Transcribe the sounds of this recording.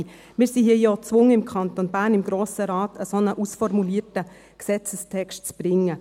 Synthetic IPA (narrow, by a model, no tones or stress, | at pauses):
mɪːsihiəjɔt͡sʋʊŋəɪmkʰɑntonbæːɾnɪmɡ̥ɾoːsəɾaːtʰəsonəʔusfɔrmuliːtə | ksɛt͡səstʰɛkʃtt͡sb̥ɾɪŋːə